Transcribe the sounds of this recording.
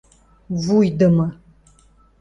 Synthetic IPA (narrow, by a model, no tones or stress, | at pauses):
vujdɨmɐ